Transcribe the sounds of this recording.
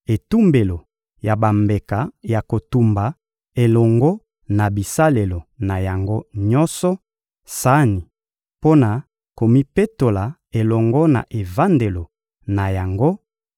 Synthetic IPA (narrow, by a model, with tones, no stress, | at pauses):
e˨tu˦mbe˨lo˨ | ja˨ba˨mbe˨ka˨ja˨ko˨tu˨mba˨ | e˨lɔ˨ŋɡɔ˦ | na˨bi˨sa˦le˨lo˨na˨ja˨ŋɡo˦ɲɔ˦sɔ˦ | sa˦ni˨ | po˦na˨ | ko˨mi˦pe˦to˨la˨ | e˨lɔ˨ŋɡɔ˦na̰˨ʔe˨va˦nde˨lo˨ | na˨ja˨ŋɡo˦